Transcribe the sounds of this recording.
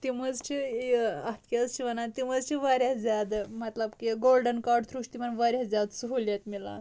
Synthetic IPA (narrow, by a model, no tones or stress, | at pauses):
t̪iməd͡zt͡ʃʰijiat̪ʰkʲezt͡ʃʰiʋənat̪iməd͡zt͡ʃʰiʋaɾʲjad͡zad̪mət̪ləbkiɡolɖənkaɾɖt̪ʰɾuʂt̪imənʋaɾʲjad͡zʲad̪suɦoljat̪mila̰